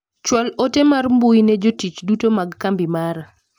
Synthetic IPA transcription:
t͡ʃwɔlotemarmbunɛd͡ʒotit͡ʃdutomaɡkambimaɾ

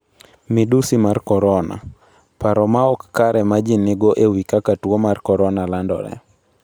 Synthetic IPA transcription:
mɪdusimarkɔɾɔna̰ | paɾɔmaɔkːaɾɛmad͡ʒinɪɡɔʔewikakatwɔmarkɔɾɔnalandɔ̰ɾɛ̰

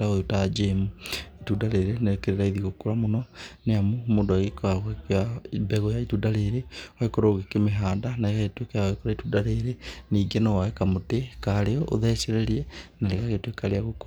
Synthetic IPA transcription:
taoutad͡ʒemuitudaɾeɾenekeɾeɾaiðiɣokuɾamonɔneamumoːndoaɣekaɣwekjambɛɣɔjaitudaɾeɾeoekoɾoːɣekemeɦaːndanaeɣaɣetwekeaoekoɾaitudaɾeɾeniːɡenowaekamotekaɾeɔo̰ðɛseɾeɾiɛnaleɣaɣetwekaɾeaɣokoa

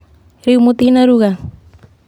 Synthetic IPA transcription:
ɾɪwmʊt̪ɪnaɾʊɢɑ

